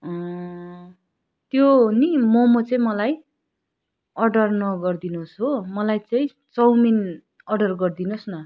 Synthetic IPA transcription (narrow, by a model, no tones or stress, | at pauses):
ʌ | t̪jonimʌmʌt͡sʌĩmʌlaj | ʌrɖʌrnʌɡʌrd̪inusɦomʌlajt͡saĩ | t͡sʌwmin | ʌɖʌrɡʌrd̪inosnʌ